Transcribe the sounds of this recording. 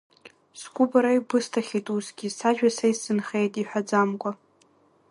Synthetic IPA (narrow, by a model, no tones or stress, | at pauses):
skʷʊbaɾajbɨstʰaχʲitʼuzɡʲisaʒᶣasajsɨnχejtʼiħʷᶣad͡zamkʷʼa